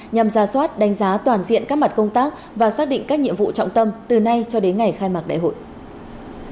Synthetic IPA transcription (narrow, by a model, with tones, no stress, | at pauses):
ɲa˨˩mzaː˨˩swaː˦˥t̚ɗa˨˦jŋ̟zaː˨˦t̪waː˨˩nzḭ˧˨ənkaː˦˥k̚ma˨˩t̚kə˧wŋ͡mt̪aː˦˥k̚ | vaː˨˩saː˦˥k̚ɗḭ˧˨ŋ̟kaː˦˥k̚ɲḭ˧˨əmvṵ˧˨t͡ɕɔ̰˧˨wŋ͡mt̪ə˧mt̪ɨ˨˩na˧jt͡ɕɔ˧ɗe˨˦nŋa˨˩jxaː˧jmaː˨˩k̚ɗa̰ː˧˨jho̰˧˨jʔ